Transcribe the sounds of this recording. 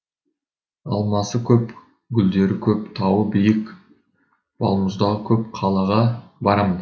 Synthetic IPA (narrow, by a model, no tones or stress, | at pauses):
ɑ̰lˠmɑsəkʲʰɵp | ɡʲʏld̪e̞ɾɪkʲʰɵpt̪ʰɑwəbijɪkʲ | bɑ̰lˠməzd̪ɑʁəkʲʰɵp̚qʰɑlˠɑʁɑbɑɾɑmən